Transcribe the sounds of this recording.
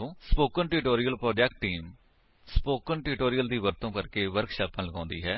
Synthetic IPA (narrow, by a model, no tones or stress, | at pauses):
õːspoːkənʈɪːʈoːɾijəlpɾɔːd͡ʒɛkʈːiːm | spoːkənʈiːʈoːɾijəld̪iːʋəɾt̪õːkəɾkeːʋəɾkʃaːpãːnləɡãːnd̪iːɦɛː